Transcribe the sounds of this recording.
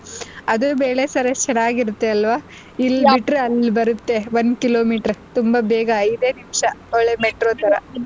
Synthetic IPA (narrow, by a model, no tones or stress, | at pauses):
ɐd̪ubeːɭe̞sɐɾet͡ʃɐnaːɡiɾut̪ːeɐlʋaː | ilːbiʈːɾeɐlːibɐɾut̪ːe̞ʋɐnd̪kiloːmiːʈɐɾt̪umbɐbeːɡɐɐjd̪eːnimʃɐoɭːemeʈɾoːt̪ɐɾɐ